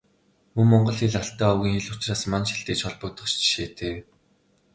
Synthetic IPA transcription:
muŋmɔɴɢɞ̆ɮxeɮaɬt̪æːɔwɣʲiːŋxeɮʊt͡ɕraːsmanʃi̥ɬt̪eːt͡ɕɔɮpɞ̆k̚t̪ɞ̆χt͡ɕt͡ɕʃeːt̪ʰeː

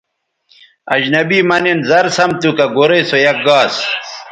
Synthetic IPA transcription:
ɐ̰d͡ʑnɐbiːmɐnenzɐɾsɐmt̪ukɐɡoɾejsojɐk̚ɡaːs

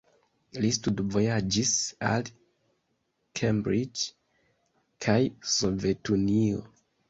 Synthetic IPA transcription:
listudvo̞jad͡ʒisa̰l | kʰembɾid͡ʒ | kʰajsove̞tunio̰

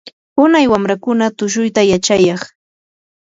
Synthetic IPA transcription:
hʊnajwamɾakʊnat̪ʊʃ̬ʊjt̪ajat͡ʃajɑχ

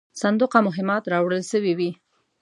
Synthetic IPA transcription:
sand̪uqamʊɦɪmɑt̪ɾɑwɽəlʃəwiwi

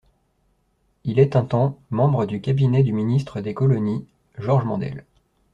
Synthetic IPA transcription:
ilɛt̪ɛ̃t̪ɑ̃mɑ̃bʁəd̪ykʲabinɛd̪yminist̪χəd̪ekɔlɔni | ʒɔʁʒmɑ̃d̪ɛ̰l

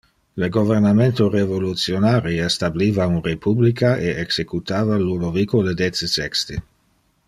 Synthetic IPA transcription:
ləɡovernament̪orevolut̪sjonaːɾiest̪abliːvaunrepʰublikʰaeeksekut̪aːvalunovikoled̪et̪səsɛkst̪e

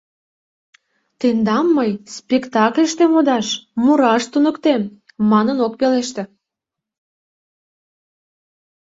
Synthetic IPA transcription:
t̪end̪ɑmːəjspʲekt̪ɑklʲeʃt̪emod̪ɑʃmuɾɑʃt̪unəkt̪emː | ɑnənok̚peleʃt̪ĕ

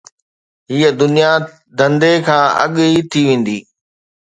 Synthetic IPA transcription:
ɦiːəd̪ʊnija | d̪ɐ̃nd̪ekʰãːɐ̰ɠit̪ʰiʋẽːn̆d̪iː

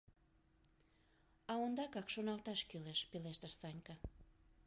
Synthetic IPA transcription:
ɑond̪ɑkɑkʃonɑlt̪ɑʃkyleʃpeleʃt̪ərsɑnʲkɑ

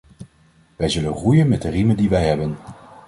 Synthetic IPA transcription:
ʋɛjzɵlənrujənmɛt̚dərimədiʋɛjɦɛbən

